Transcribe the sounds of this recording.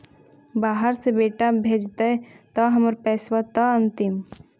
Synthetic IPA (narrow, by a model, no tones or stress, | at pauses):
baːɦəɾsebeːʈabʱeːd͡ʒt̪aɛt̪ɐɦɐməɾpɛːswat̪aə̃nt̪ɪm